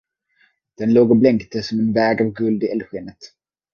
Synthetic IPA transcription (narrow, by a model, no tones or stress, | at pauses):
d̪̥ɛnloːɡɔblɛŋkt̪əsɔmɛnvɛːɡavɡɵld̪ɪʔɛlɧɪːnət̪